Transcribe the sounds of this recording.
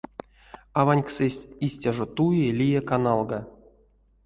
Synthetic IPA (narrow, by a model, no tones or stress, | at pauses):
avanʲksɛsʲtʲisʲtʲaʐot̪ujelʲijakanalˠɡa